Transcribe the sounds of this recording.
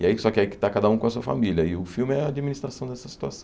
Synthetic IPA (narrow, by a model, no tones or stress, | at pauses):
ɪaisɔkɪaikɪ̥t̪akad̪ɐũkõɐsuɐfa̰miljɐɪʊfiwmɪɛɐːd͡ʒiminist̪ɾasɐ̃w̃d̪ɛsɐsi̥t̪uasɐ̃